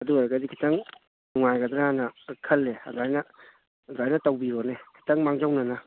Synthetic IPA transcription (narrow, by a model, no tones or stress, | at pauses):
ɐduaɾɡadikʰitɐŋ | nuŋajɡɐd̪ɾaanɐkʰɐlːeɐ̰zajnɐ | zajnɐtawbiɾonekʰi̥tɐŋmaŋd͡ʒawnɐnɐ